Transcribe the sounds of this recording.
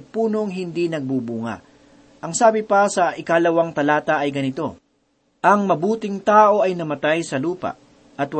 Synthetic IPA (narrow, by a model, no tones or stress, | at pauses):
puːno̞ŋɦɪnd̪inɐɡ̚bubuŋɐ̰ | ʔɐŋsaːbɪpɐsɐʔɪkalɐwɐŋt̪ɐlaːt̪ɐʔɐjɡɐnɪt̪o̞ | ʔɐŋmɐbuːt̪ɪŋt̪aːʔo̞ɐjnɐmɐt̪ajsɐluːpɐ̰ʔ | ʔɐt̪wɐ